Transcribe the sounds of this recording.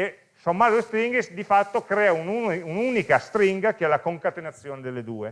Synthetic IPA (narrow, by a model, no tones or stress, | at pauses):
e | somːazoest̪ɾiŋɡesd̪ifat̪ːokɾɛːaunuununikast̪ɾiŋɡak̟eɛlakoŋkat̪enat̪sːjoːned̪elːed̪uːe